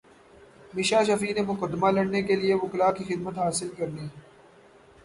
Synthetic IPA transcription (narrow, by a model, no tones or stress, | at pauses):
mɪʃaːʃɐfiːnemʊkəd̪ːmalɐɽnekelieʋʊklakixɪd̪̚mət̪ɦaːsɪlkɐɾniː